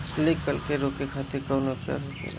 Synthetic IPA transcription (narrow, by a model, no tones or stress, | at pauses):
lekːəlkeɾoːkekʰaːt̪ekaʊnot͡ʃa̰ɾɦod͡ʒḛ